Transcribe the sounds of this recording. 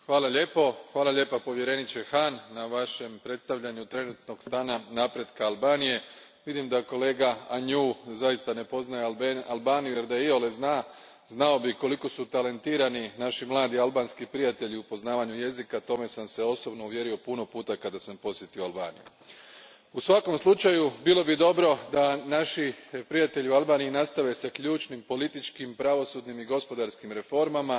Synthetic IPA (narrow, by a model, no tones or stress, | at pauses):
xʋaːlˠaʎe̞ːpo̞xʋaːlˠaʎʲe̞ːpapo̞ʋje̞ɾe̞nit͡ɕe̞xaːnːaʋaʃe̞mpɾe̞t̪st̪aʋʎaɲut̪ɾe̞nut̪no̞ɡst̪aːnanapɾe̞d̪kaalˠbaːnije̞ | ʋid̪imd̪ako̞le̞ːɡaaɲuːzajist̪ane̞po̞znajealˠbaːnijuje̞ɾd̪ajeiole̞znaː | znao̞biko̞liko̞sut̪ale̞nt̪iːɾaninaʃimlˠaːd̪ialˠbaːnskipɾijat̪e̞ʎiupo̞znaːʋaɲuje̞zikat̪o̞me̞samse̞o̞so̞bno̞uʋje̞ɾio̞puno̞puːt̪akad̪asampo̞sjet̪ioalba̰ːnḭjṵ | usʋako̞mslˠut͡ʃajubilˠo̞bid̪o̞bɾo̞d̪anaʃipɾijat̪e̞ʎiualˠbaːniːnast̪aʋe̞sakʎuːt͡ʃnimpo̞lit̪it͡ʃkimpɾaʋo̞suːd̪nimiɡo̞spo̞d̪aɾskimɾe̞fo̞ɾmama